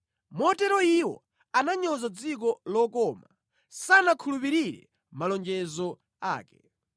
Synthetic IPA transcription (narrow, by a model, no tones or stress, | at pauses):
mɔtɛɾɔiwɔ̰ | anaɲɔzad͡zik̬ɔlɔkɔːma | sanakʰulupiɾiɾɛ̰ | malɔnd͡ʒɛzɔ | a̰ːkɛ